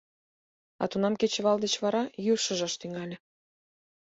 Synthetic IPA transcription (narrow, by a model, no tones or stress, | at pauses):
ɑ̰t̪unɑmket͡ɕĕβɑld̪et͡ɕβɑɾɑjuʃə̆ʒɑʃt̪yŋɑlʲĕ